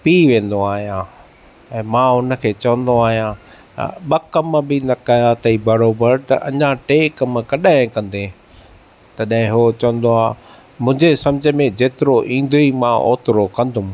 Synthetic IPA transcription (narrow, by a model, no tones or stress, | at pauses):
piːʋẽːn̆d̪oaːɦijã | ɛ̃ːmãːʊnə̆kʰeːt͡ɕɐʋə̃nd̪oaːɦijã̰ | ɓɐkɐmbɪnɐkɐjat̪ʰɐibɐɾoːbəɾt̪ɐ̰ʔɐ̰ɲãʈeːkɐmkɐɗaɦɪ̃kɐ̃nd̪e | t̪ɐɗ̃ɦɪ̃ɦuot͡ɕɐʋə̃nd̪oaː | mʊ̃ɦɲd͡ʑesɐ̃md͡ʑʱə̆mẽd͡ʑeːt̪ɪɾoʔĩːn̆d̪oimãʔo̰ːt̪ɪɾokɐ̃nd̪ʱʊm